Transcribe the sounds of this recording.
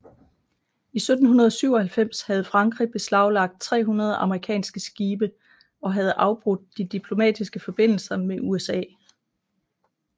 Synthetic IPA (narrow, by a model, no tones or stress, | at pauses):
isød̥n̩hunɐð̞ˠsyʊ̰ɒ̽hælfem̰shæð̞̩ˠfʁɑ̈ŋɡ̥ʁib̥e̝slɑ̈ʊlɑ̈ɡ̥̚d̥̚t͡sʰʁɛ̰ːɦunɐð̞ˠʔɑ̈məʁikʰɛ̰ːnsɡ̥əsɡ̥iːb̥ə | ɒ̽ɦæð̞̩ˠʔɑ̈ʊb̥ʁɔd̥̚ːid̥ipʰlo̝mɛ̰ːd̥isɡ̥əfɒ̽b̥e̝n̰l̩sɐmeʔuesɛ̰ː